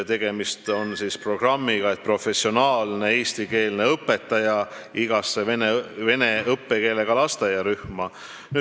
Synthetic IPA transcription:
t̪e̞ɡ̥e̞mist̪o̞nsispro̞ɡ̥rɑmːiɡ̥ɑe̞t̪̚pro̞fe̞sːio̞nɑːlne̞eːst̪ike̞ːlne̞ɤpːe̞t̪ːˑɑjɑ | iɡ̥ɑsːe̞veneve̞ne̞ɤpːeke̞ːle̞ɡ̥ɑlɑst̪ɑjɑɾyhmɑ | nyː

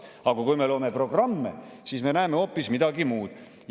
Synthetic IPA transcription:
ɑɡ̥ɑkujme̞lo̞ːme̞pro̞ɡ̥rɑmːḛsiːsmenæeme̞o̞pːismid̪ɑɡimuːd̪̥

